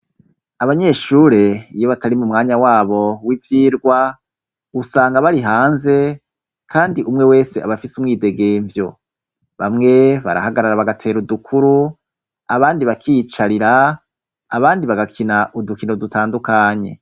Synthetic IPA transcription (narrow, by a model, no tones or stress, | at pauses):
aβaɲe̞ʃuːɾe̞ijo̞βataɾimumŋaːɲawaːβo̞wivjiːɾɡwa | usaːŋɡaβaɾiɦaːnze̞ | kʰaːndiʔumŋe̞we̞ːse̞aβafisumŋiːde̞ɡe̞ːɱvjo̞ | βamŋe̞βa̰ɾa̰haɡaɾaɾaβaɡatʰe̞ːɾudukʰuɾu | aβaːndiβakʰit͡ʃaɾiɾaː | βaːndiβaɡakʰinaʔudukinodutʰaːndukaːɲe̞̰